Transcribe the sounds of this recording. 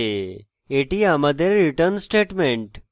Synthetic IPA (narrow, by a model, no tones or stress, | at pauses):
eʈijaməd̪ʱeɾɾiʈəɾnsʈeʈmẽɳʈ